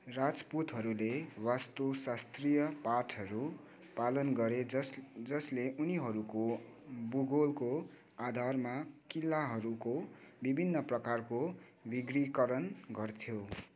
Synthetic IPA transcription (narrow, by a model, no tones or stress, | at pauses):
rad͡zput̪ɦʌɾulewast̪osast̪rijʌpaʈʰʌɾu | palʌnɡʌɾed͡zʌsleʔuniɦʌɾuko | buɡolko | ad̪ʱarmakilːaɦʌɾukobibʱinːʌprʌkarko | biɡrikʌɾʌnɡʌrt̪ʰjo